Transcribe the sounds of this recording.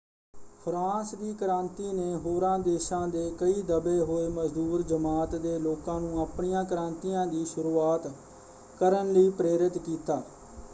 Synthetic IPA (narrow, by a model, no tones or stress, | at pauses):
pʰɾãːsd̪iːkəɾãːnt̪iːneːɦoːɾãːd̪eːʃãːd̪eːkəiːd̪əbeːɦoːeːməd͡ʒd̪uːɾd͡ʒəmaːt̪d̪eːloːkãːnũːaːpɳijãːkəɾãːnt̪iːãːd̪iːʃʊɾuːaːt̪ | kəɾənləiːpɾeːɾɪt̪kiːt̪aː